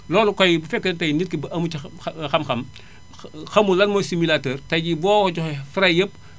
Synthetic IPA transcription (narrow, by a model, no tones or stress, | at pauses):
lɔːlukɔjbufɛkːɐtɐjnit̚kibʔɐmuixɐmxɐm | xɐmulɐnmɔːjsimilatəːrtɐɟibɔːkɔɟɔxɛfiɾɐjəp̚